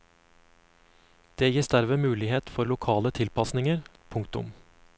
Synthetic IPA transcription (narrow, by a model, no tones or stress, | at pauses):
d̪̥eːjiːsd̪æɾʋeːmʉːlɪheːt̪fɔɾlʊkʰɑːlət̪ʰɪlpɑsnɪŋəɾpʰʊŋkt̪ʊ̰m